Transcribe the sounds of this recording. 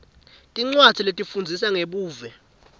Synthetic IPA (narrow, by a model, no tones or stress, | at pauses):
tʼiŋ͡ǀwad͡z̥ʰʱiletʼifund͡zʱisaŋeɓuːvɛ